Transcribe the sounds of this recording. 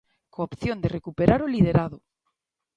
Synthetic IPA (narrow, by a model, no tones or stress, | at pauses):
koːpθjond̪erekupeɾaɾolið̞eɾaðo